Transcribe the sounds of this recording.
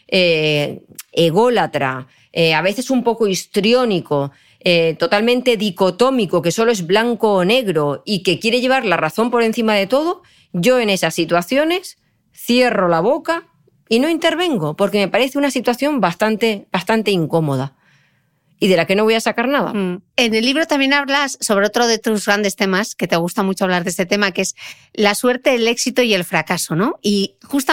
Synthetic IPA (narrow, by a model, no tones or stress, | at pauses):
e | eɣ̞o̞lat̪ɾa̰ | eaβ̞e̞θe̞sumpo̞ko̞ist̪ɾjo̞niko̞ | et̪o̞t̪almẽnt̪e̞ðiko̞t̪o̞miko̞ke̞so̞loe̞zβlaŋko̞ːne̞ɣɾo̞ike̞kje̞ɾe̞ʝe̞β̞aɾlaraθo̞mpo̞ɾe̞n̟θimaðe̞t̪o̞ð̞o̞ | ʝo̞e̞ne̞sasːit̪waθjo̞ne̞s | θje̞ro̞laβo̞ka | ino̞int̪e̞ɾβe̞ŋɡo̞po̞ɾke̞me̞paɾe̞θeunasit̪waθjo̞mbast̪ant̪e̞bast̪ant̪e̞iŋko̞mo̞ð̞a | iðe̞lake̞no̞βo̞jasakaɾnaða̰e̞ne̞lːiβ̞ɾo̞t̪amje̞naβlasːo̞βɾe̞o̞t̪ɾo̞ðe̞t̪uzɣɾand̪e̞st̪e̞maske̞t̪e̞ɣ̞ust̪amut͡ʃoaβlaɾðese̞t̪e̞makee̞s | laswe̞ɾt̪e̞ele̞ksit̪oie̞lfɾakaso̞no̞ixust̪a